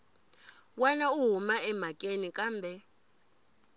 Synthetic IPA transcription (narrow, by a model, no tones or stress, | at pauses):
wanauɦumaɛmakʼenikʼaːmbʱɛ